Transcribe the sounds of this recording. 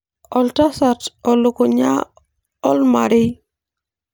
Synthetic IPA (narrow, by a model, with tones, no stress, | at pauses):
ɔ˨lta˦sa˨tɔ˨lʊ˨ko˨ɲa̰˦ | ɔ˦lma̰˨ɾɪ˦